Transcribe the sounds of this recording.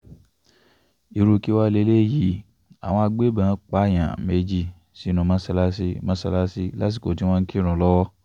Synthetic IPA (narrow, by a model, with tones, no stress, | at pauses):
i˨˧ɾu˧ki˦wa˦le˧˦le˦˨ji˨˦ | a̰˨w̃ɔ̃˧a˧ɡ͡be˦bã˨˦k͡pa˦˨j̃ã˨me˧d͡ʒi˧˨ | si˨˦nũ˨˧mã˦sɛ˧la˦si˧mã˦sɛ˧la˦si˧la˦t̬i˦˨ko˨ti˨˦w̃ɔ̃˦ŋ̩˦ki˦ɾ̃ũ˨lɔ˦wɔ˦